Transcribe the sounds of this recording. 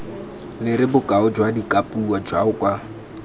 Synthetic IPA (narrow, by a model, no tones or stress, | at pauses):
lɪɾɪbʊkʼaʊd͡ʒwadikʼapʼuwad͡ʒwa̰ʊkʼwa